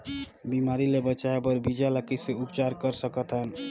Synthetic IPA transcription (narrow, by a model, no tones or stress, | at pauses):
bimaɾilebət͡ʃaebəɾbid͡ʒaləkiseupt͡ʃaɾkəɾsəkət̪ɦən